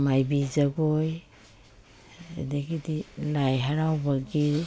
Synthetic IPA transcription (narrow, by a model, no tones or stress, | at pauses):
majbizaɡɔj | ḛdaɡidilajɦaɾawbaɡiɾ